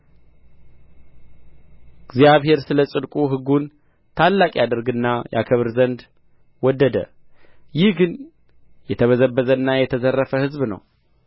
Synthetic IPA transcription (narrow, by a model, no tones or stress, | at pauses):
ɨɡzijaβhe̞ɾsɨləsʼɨd̪kʼuɦɨɡun | t̪ʰalːakʼijad̪əɾɡɨnːajʔa̰kʰəβɨɾzənd̪ | wɔd̪ːəd̪ə̰ | jɪhɡɨn | jɛt̪ʰəβəzəbːəzənːajɛt̪ʰəzərːəfəhɨzbnə̰w